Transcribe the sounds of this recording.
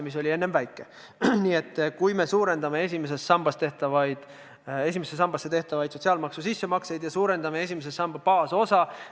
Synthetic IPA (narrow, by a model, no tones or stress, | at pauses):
mis̬o̞lʲie̞nːe̞mvæjkːˑe̞ | niːe̞t̪ːkujme̞suːɾe̞nd̪ɑme̞e̞s̬ʲimes̬e̞st̪sɑmb̥ɑst̪e̞ht̪ɑvɑjd̪̥ | e̞s̬ʲimesesɑmb̥ɑsːe̞t̪e̞ht̪ɑvɑjd̪so̞t̪siɑːlmɑksusisːe̞mɑkse̞jd̪jɑsuːɾe̞nd̪ɑme̞e̞s̬ʲimesesɑmb̥ɑpɑːso̞sɑ